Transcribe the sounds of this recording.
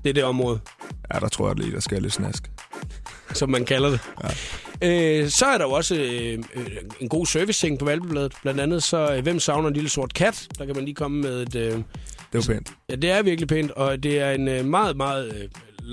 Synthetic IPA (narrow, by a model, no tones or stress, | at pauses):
d̥e̝æɐd̥e̝ɒ̽mʁɔ̽ːð̞̩ˠ | jæd̥ɑt͡sʰʁo̝ɐ̰j̰dlḭːd̥ɑsɡ̥æled̥snæsɡ̥ | sɒ̽mːænkʰælɐd̥e̝ | øsɒ̽æɐɾɑ̈jo̝ɒ̽sə | e̝nɡ̥o̝̰ːsøɐʋist͡sʰe̝ŋpʰɒ̽ʋælb̥əb̥lɛːð̩ˠb̥lænd̥ænð̞̩ˠsɒ̽ʋem̰sɑ̈ʊnɐenliləso̝ɐ̰d̥kʰæd̥d̥ɑ̈kʰæmænliːkʰɒ̽məmeðˠe̝d̥ød̥epḛːnd̥jæd̥e̝æɐʋiɐɡ̥lipʰe̝̰ːnd̥ɒ̽d̥e̝æɐe̝nmɑ̈ːð̩ˠmɑ̈ːð̩ˠ